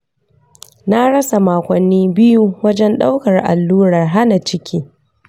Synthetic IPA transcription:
na˦ɽɐ˦sa˨maː˨kʷɐ˨nːiː˦bɪ˦ju˦wɐ˦d͡ʒɛ˦nɗa˦wkɐ˨rʔa̰˨lːuː˦ɽɐ˨rɦa˦na˨t͡ʃɪ˦kʲʰiː˦

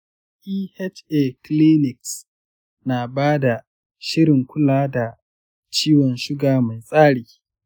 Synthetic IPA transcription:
ʔiː˦hɛ˦t͡ʃe˨kli˦nɪ˨ks | na˨baː˦da˨ | ʃɪ˦ɽɪ˨ŋkʷʊ˦laː˦da˨ | t͡ʃiː˦wɔ˨nʃʊ˦ɡaː˨ma˨jsʼaː˦ɽiː˨

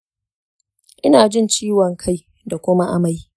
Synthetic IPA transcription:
ʔɪ˦naː˨d͡ʒɪ˦˨nt͡ʃiː˦wɔ˨ŋkʰa˦˨j | da˨kʷʊ˦ma˦ʔa˦ma˦j

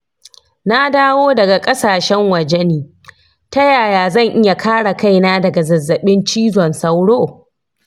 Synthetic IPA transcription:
na˦daː˦woː˦dɐ˨ɡa˨kʼɐ˦saː˨ʃɛ˦ŋwɐ˨d͡ʒɛ˦niː˨ | tɐ˦jaː˨jaː˨zɐ˦˨ŋʔɪ˦ja˨kʰaː˦ɽa˨ka˦˨jnaː˦dɐ˨ɡa˨zɐ˨zːɐ˨ɓɪ˦nt͡ʃiː˦zɔ˨nsɐ˦wɽoː˦˨

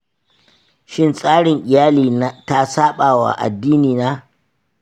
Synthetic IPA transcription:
ʃɪ˦nsʼaː˦ɽɪ˨ŋʔɪ˨jaː˦liː˨na˦ta˦saː˦ɓaː˨wa̰˨ʔa̰˨dːiː˦niː˨naː˦

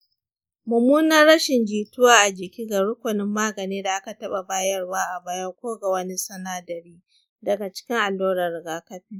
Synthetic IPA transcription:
mʊ˨muː˦nɐ˦rɽɐ˦ʃɪ˨nd͡ʒiː˨tʊ˦waː˦ʔa˨d͡ʒɪ˨kʲiː˦ɡa˨ɽʊ˦kʷʊ˨nɪ˦mːaː˦ɡɐ˨niː˦da˨ʔa˦ka˨tɐ˦ɓa˨baː˦jɐ˦rwaː˦ʔa˨baː˦jɐ˦kʷoː˦ɡa˨wɐ˦ni˦sɐ˦naː˦dɐ˨ɾiː˦ | dɐ˨ɡa˨t͡ʃɪ̥˦kʲɪ˦ŋʔa˨lːoː˦ɾɐ˨ɾɡaː˦kɐ˦ɸɪ˦ŋ

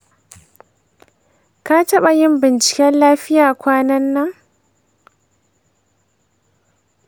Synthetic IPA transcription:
ka˦tɐ˦ɓa˨jɪ˦mbɪ˨nt͡ʃɪ̥˨kʲɛ˦nlaː˦ɸɪ˦jaː˨kʷaː˦nɐ˦nːɐ˦ŋ

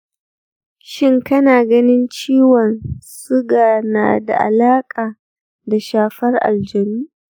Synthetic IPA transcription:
ʃɪ˦ŋkɐ˦naː˨ɡɐ˦nɪ˦nt͡ʃiː˦wɔ˨nsʊ˦ɡaː˨na̰ː˨da̰˨ʔa̰˨laː˦kʼaː˨ | da˨ʃaː˦ɸɐ˦rʔa̰˨ld͡ʒɛ˨niː˦

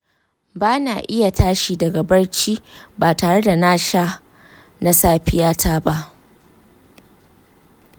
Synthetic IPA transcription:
baː˦na̰ː˨ʔɪ˦ja˨tʰaː˦ʃiː˨dɐ˨ɡɐ˨bɐ˦rt͡ʃiː˦baː˨taː˨ɽe˦da˨naː˦ʃa˦ | na˦saː˦ɸɪ˦jaː˦tʰaː˦ba˦ʔ

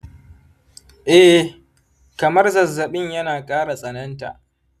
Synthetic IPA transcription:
ʔɛ˦ | kɐ˨mɐ˦rzɐ˨zːɐ˨ɓɪ˦ɲjɐ˦naː˨kʼaː˦ɽa˨sʼɐ˨nɐ˦nta̰˨ʔ

